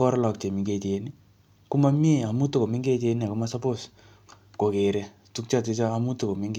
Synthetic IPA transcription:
ɔ˦ɾala˨k̚t͡ʃe˨mi˨ŋɡeteni | ku˦ma˦mi˦e˦˨a˨mu˦t̪o˦ko˨mi˦ŋɡe˦te˧nia˨ku˦masapos | ko˨ke˨ɾɛ | tu˦k̚t͡ʃate˧t͡ʃaː˦mu˦t̪ːuko˨mi˦ŋɡ

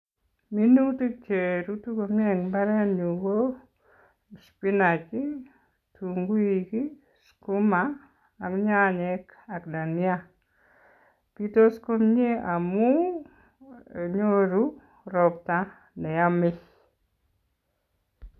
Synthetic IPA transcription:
mi˦nu˦tu˦t͡ʃe˨ɾu˦tu˦ko˨mje˦˨ŋba˦ɾɛ˦nju˨wo˦ | spi˦na˨t͡ʃi˦ | tu˨ŋɡu˦i˨ki˦ | sku˦maː˦˨ | kɲa˦ɲɛ˦ka˨kda˨nja˦ | pi˦to˦sko˦mɲe˦a˨mu˦ | e˨ɲo˦ɾu˦ | ɾɔ˨p̚ta˦ | nɛ˨ja˦mɪ˦

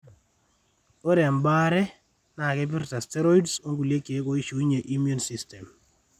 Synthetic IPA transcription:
o˦ɾɛ˨mba˦ɾɛ˦ | na˨kɛ˦bɪ˦ɾta˨stɛ˦ɾo˦i˦dso˦ŋɡu˨lje˦ke˨˦ko˨i˦ʃo˨i˦ɲe˨ʔi˦mjo˦nsi˦stɛ˨m

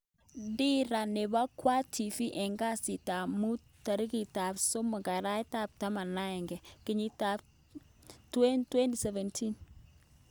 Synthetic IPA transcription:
di˦ɾa˨ne˨ba˦kwa˦tʰi˨fi˦ʔɛ˨ŋɡa˦si˨ta˨mu˦ | ta˨ɾɪ˦ki˨ta˨pso˦ma˨ka˨ɾa˦ɪ˦ta˦˨p̚ta˦ma˨nːa˦ɛ˨ŋɡɛ˨kɪ˨ɲi˦ta˨ | twɛ˦ntwɛ˦ndi˨sɛ˨vɛ˨ntʰi˦n

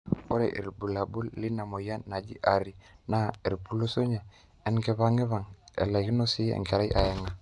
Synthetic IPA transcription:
o˦ɾḛ˨ʔḭ˨ɾbu˨la˨bu˦lːi˦na˨mo˨ja˦nːa˨d͡ʒḭ˦ʔa˨ɾi˨na˦e˨ɾbu˨lu˦so˦ɲe˨ | ɛ˦nɡe˨βa˦ŋe˦va˨ŋḛ˨la˨ɡi˦no˦si˦ḛ˨ŋke˨ɾi˦ʔa̰˨ja˨ŋa˨

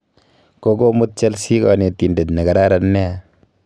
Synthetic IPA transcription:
ko˦ko˦mu˦t̚t͡ʃe˦lsi˦kɔ˨ne˨t̪i˨nde˨t̪ne˨ka˨ɾa˦ɾanːɛ˦a˨

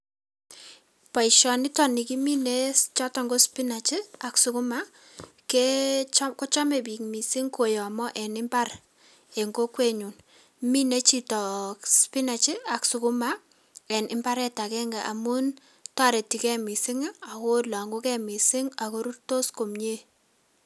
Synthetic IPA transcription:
pa˨i˨ʃɔ˨ni˦tɔ˨ni˨ki˦mi˦ne˦t͡ʃɔ˦tɔ˨ŋɡo˦spi˦na˨t͡ʃi˦a˨ksu˦kʊ˦ma˦ | kɛ˦ko˦t͡ʃɔ˦me˨bi˨kmi˨sɪ˦ŋko˨jɔ˨a˨mɔ˦ʔɛ˨nɪ˦mba˦r | ɛ˨ŋɡo˦kwe˦ɲu˨n | mi˦ne˦t͡ʃi˦tɔ˨kspi˦na˨t͡ʃi˦a˨ksu˨ku˦ma˦ | ɛ˨nʔɪ˦mba˦ɾɛ˦ta˨kɛ˦ŋɡa˨ʔa̰˨mu˦n | twa˦ɾɛ˨ti˨kɛ˦mi˨sɪ˦ŋa˨ko˦la˨ŋɡu˦kɛ˦mi˨sɪ˦ŋa˨ko˦ɾu˦rto˦sko˨mɲe˦

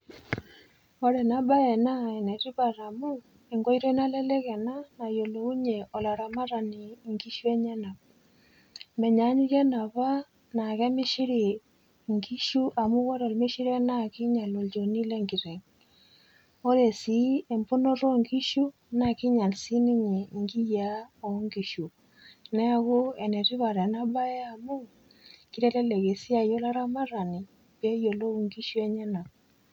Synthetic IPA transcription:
o˦ɾɛ˨na˦ba˦ɛ˨na˦ɛ˨nɛ˨ɾi˦βa˨ɾa˨mu˦ | e˨ŋɡwo˦iɾe˦na˦lɛ˦lɛ˦kɛ˨na˦na˨jo˨lo˨u˦ɲe˨ʔo˨la˨ɾa˨ma˦ɾa˨ni˨ŋɡi˦ʃu˦e˦ɲɛ˦na˨p̚ | mɛ˨ɲa˨˦ɲi˦ɾjɛ˦na˨βa˦ | na˨kɛ˦mɪ˦ʃi˦ɾi˨ | ŋɡi˦ʃu˦ʔa˨mʊ˦ɣo˦ɾɔ˨lme˦ʃi˦ɾɛ˦na˦kɪ˦ɲa˨lo˨ld͡ʒo˨ni˦le˦ŋɡi˨ɾe˨ŋ | o˦ɾe˨si˦e˨mbu˦no˦ɾo˦ŋɡi˦ʃu˦ | na˨ki˦ɲa˨lsi˦ni˦ɲe˨ŋɡi˦ja˦o˨ŋɡi˨ʃu˨ | nɛ˦a˨ɣo˦e˨nɛ˨ɾi˦βa˨ɾe˨na˦βa˦ɛ˦a˨mu˦ | ki˦ɾe˦lɛ˦le˨ɣe˨si˦a˨jo˦la˦ɾa˦ma˦ɾa˨ni˨ | pe˦jo˨lo˦˨ŋɡi˦ʃu˦e˦ɲɛ˦na˨

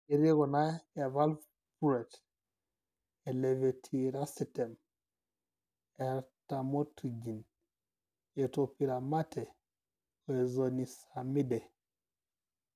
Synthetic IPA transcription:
e˨ɾi˦ɡɔ˨na˦e˨va˦lv | puɾe˨t | eleve˨tʰiɾa˦site˨m | eɾta˨mo˦tʰi˨d͡ʒi˨n | etopi˨ɾama˦te˨ | o˨e˨zoni˨sami˦de˨

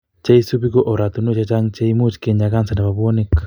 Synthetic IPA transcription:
t͡ʃa˦i˦su˦βi˦ko˦ʔo˨ɾa˨to˨no˦t͡ʃa˦t͡ʃa˦ŋt͡ʃa˦imu˦t͡ʃke˨ɲa˨ɣa˦nsa˨na˨βa˨βo˦nekːḁ

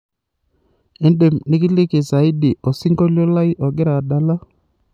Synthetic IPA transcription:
e˦nde˨mnɪ˦kɪ˦lɪ˦kɪ˨sa˨i˦di˨ʔo˨sɪ˦ŋɡo˦lo˦la˦i˦ʔɔ˨ɡɪ˦ɾa˨da˨la˦

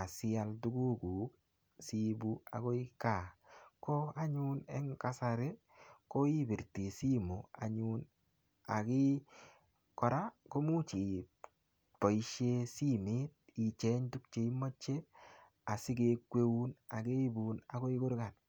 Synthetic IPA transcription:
a˨sɪ˦a˦ltu˦ɡu˦ku˨ | si˦bu˦a̰˨ko˦i˦ka˨ko˦a˦ɲu˦nɛ̰˦ŋka˦sa˨ɾe˦ | ko˦i˦bi˨ɾti˨si˦mo˨a̰˨ɲun | a˨ki˦ | kɔ˨ɾa˦ko˦mu˦t͡ʃi˨ | po˨i˦ʃe˦si˦mi˦t̚i˨t͡ʃe˦ɲtu˦k̚t͡ʃe˨i˦mo˦t͡ʃe˦ | a˨si˦ke˦kwe˦u˦na˨ke˦bu˨na˨ko˦i˦ku˦ɾka˨t

